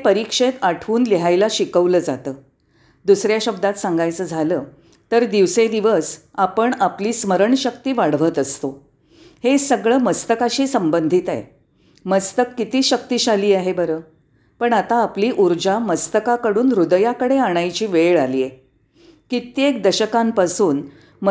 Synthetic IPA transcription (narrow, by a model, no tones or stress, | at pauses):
pəɾikʂet̪aʈʰuːnliɦajlaɕikəʋləːd͡zat̪əː | d̪usɾjaɕəbd̪at̪saŋɡajt͡səːd͡zʱaləː | t̪əɾd̪iʋsed̪iʋəsapəɳapliːsməɾəɳɕək̚t̪iːʋaɽʋət̪əst̪o | hesəɡɭəːməst̪əkaɕiːsəmbənd̪ʱit̪a̰j | məst̪əkːit̪iːɕək̚t̪iːɕaliːaɦebəɾəː | pəɳat̪aːpliːʔuɾd͡ʑaməst̪əkakəɽuːnɾud̪əjakəɽeaɽ̃ajt͡ɕiːʋeɭaliːje | kit̪jekd̪əɕəkampasuːn | m